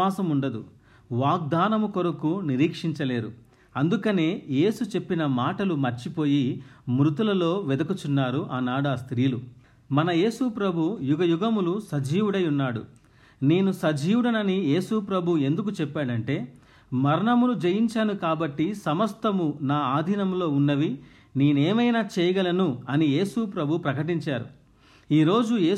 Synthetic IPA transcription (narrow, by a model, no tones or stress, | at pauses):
aːsɐmuɳɖɐd̪ṵ | ʋaːɡ̚d̪aːnɐmukoɾɐkuniɾiːkʂiɲt͡ʃɐle̞ːɾu | ɐnd̪ukɐneːje̞ːsut͡ʃe̞pːinɐmaːʈɐlumɐɾt͡ʃipo̞ːjimɾut̪ulɐlo̞ːʋɛd̪ɐkut͡ʃunːaːɾuʔaːnaːɽast̪ɾiːlu | mɐnɐje̞ːsupɾɐbʱujuɡɐjuɡɐmulusɐd͡ʒiːwuɽɐjunːaːɽṵ | ne̞ːnusɐd͡ʒiːwuɽɐnɐnije̞ːsupɾɐbʱue̞nd̪uk̬ut͡ʃɛpːaːɽɐɳʈe̞ː | mɐɾɐɳɐmulud͡ʒɐjiɲt͡ʃaːnukaːbɐʈːisɐmɐst̪ɐmunaːaːd̪ʱinɐmlo̞ːunːɐʋi | neːneːmɐjnaːt͡ʃɛːjɐɡɐlɐnuɐnije̞ːsupɾɐbʱupɾɐkɐʈiɲt͡ʃaːɾṵ | iːɾo̞ːd͡ʒueː